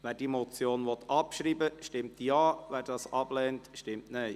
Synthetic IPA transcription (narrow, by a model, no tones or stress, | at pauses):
ʋɛːɾd̥imɔt͡sjoːnʋɔt̪ʰɑpʃɾiːbəʃtɪmtjɑːʋɛːɾd̥ɑːsɑb̥lɛːntʃtɪmtneɪ